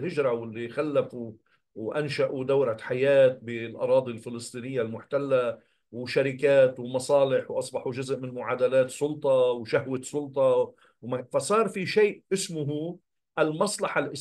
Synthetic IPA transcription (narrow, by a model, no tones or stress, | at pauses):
hɪʒɾˤɑwɪlːixalːafu | wʔanʃaʔud̪awɾaħajaːt̪̚bɪlʔɑ̰ɾˤɑːd̪ˤilfɪlɨsˤt̪ˤiːnɪjːalmʊħt̪alːa | wʃaɾɪkaːt̪wmɑsˤɑːlɪħwʔɑsˤbɑħuʒʊzʔmɪnmʊʕaːd̪alaːt̪sˤʊlt̪ˤɑwʃahwɪsˤʊlt̪ˤɑ | wmafasˤɑːɾˤfiʃeːʔʔɪsmʊɦu | ʔalmɑsˤlɑħalʔɪ